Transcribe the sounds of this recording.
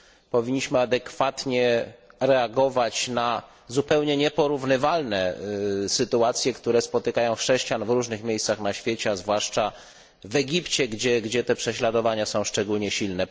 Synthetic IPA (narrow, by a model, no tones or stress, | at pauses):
pɔvʲiɲːiɕmɘad̪ɛkfat̪ɲɛɾɛaɡɔvat͡ɕna | zupɛwɲɛɲɛpɔɾuvnɘvalnɛsɘt̪uat̪sʲjɛkt̪uɾɛspɔt̪ɘkajɔ̃w̃xʂɛɕt͡ɕanvɾuʐnɘxmʲejst̪saxnaɕfʲjet͡ɕɛazvwaʂt͡ʂa | vɛɡʲipt͡ɕɛɡd͡ʑɛɡd͡ʑɛt̪ɛpʂɛɕlad̪ɔvaɲasɔ̃w̃ʂt͡ʂɛɡulɲɛɕilnɛ